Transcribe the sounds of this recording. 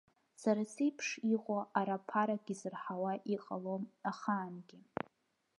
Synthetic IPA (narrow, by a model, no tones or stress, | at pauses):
saɾasejpʰʂiʁʷʼoʔaɾapʰaɾaɡʲizɨrħawaʔiqʼalomaχaːnɡʲɪ